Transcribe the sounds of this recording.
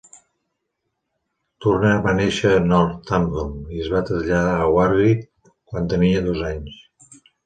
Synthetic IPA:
t̪urnaβaneʃənɔlt̪amvomiəzβat̪ɾəzʎəðaːwaɾβi | kwant̪əniəðozaɲs

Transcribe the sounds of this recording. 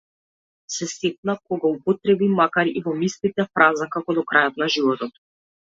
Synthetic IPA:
sɛsɛt̪̚nakɔɡaupɔt̪ɾɛbimakaɾivɔmist̪it̪ɛfɾazakakɔd̪ɔkɾajɔt̪naʒivɔt̪ɔt̪

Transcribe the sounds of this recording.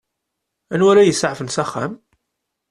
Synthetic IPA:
ænwæɾajəsʕfənsæχːæ̰m

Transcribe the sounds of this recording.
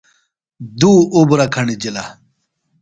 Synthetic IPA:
d̪uubɾɐkʰɐɳid͡ʑila

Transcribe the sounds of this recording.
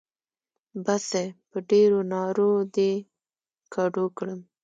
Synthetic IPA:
basepəɖeɾonɑɾod̪e | kʰaɖokɽəm

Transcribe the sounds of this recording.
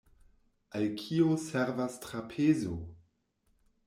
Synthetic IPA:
ʔalkʰioseɾvastɾapʰezo

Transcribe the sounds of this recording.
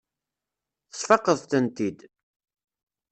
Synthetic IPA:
θə̥sfɑqːəðˤt̪ənt̪id̪

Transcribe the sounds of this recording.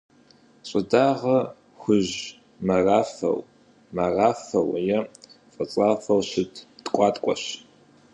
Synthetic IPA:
ɕʼɪdaːʁɐ | xʷʊʑ | mɐraːfɐ̰w | mɐraːfɐwjɛ | fʼɐt͡sʼaːfɐwɕɪtʰtkʷʼɑːtʼkʷʼɔɕ

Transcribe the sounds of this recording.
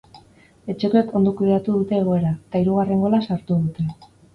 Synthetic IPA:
e̞t͡ʃe̞koe̞ko̞nd̪okuiðat̪uðut̪e̞ːɣ̞o̞e̞ɾaet̪aiɾuɣ̞areŋɡo̞lasaɾt̪uðut̪e̞

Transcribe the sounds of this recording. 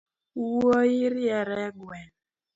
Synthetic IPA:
oiɾiɛɾɛɡwɛn

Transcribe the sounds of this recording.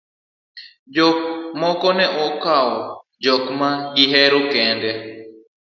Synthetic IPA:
d͡ʒɔk̚mɔkɔnɛʔokao | d͡ʒɔkmãɡiɦɛɾokɛ̃ndɛ

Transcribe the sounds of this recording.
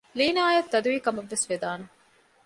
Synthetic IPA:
liːnaːjɐt̪ːɐd̪uʋiːkɐmɐʋːesʋed̪aːne

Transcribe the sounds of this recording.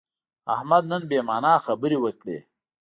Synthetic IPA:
ahmad̪nənbeːmaːnaːxɐbəɾiwəkɽḛː

